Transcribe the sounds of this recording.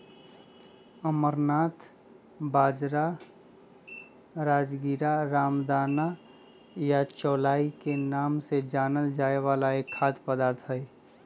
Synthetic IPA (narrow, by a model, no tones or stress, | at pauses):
əməɾnaːt̪ʰ | baːd͡ʒɾa | ɾaːd͡ʒɡiɾaɾaːmd̪aːna | jat͡ʃɔːlaːikenaːmsed͡ʒaːnəld͡ʒaːeʋaːlaekʰːaːd̪pəd̪aːɾt̪ʰɦəj